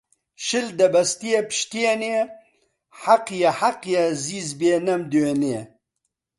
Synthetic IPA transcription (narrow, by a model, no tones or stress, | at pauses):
ʃɨld̪ɐbɐst̪ijepɨ̥ʃt̪iene | ħaqjɐħaqjɐziːzbeːnɐmd̪ueneː